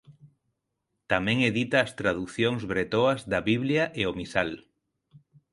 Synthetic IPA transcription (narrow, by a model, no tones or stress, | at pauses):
t̪amẽŋeðit̪aːst̪ɾað̞uθjoŋzβɾet̪oazðaβiβljaʔeomisal